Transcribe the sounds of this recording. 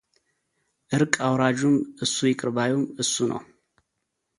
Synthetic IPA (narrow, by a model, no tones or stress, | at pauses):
ʔɨɾkʼawɾad͡ʒumʔɨsːujɪkʼɨɾbajumɨsːunʔə̰w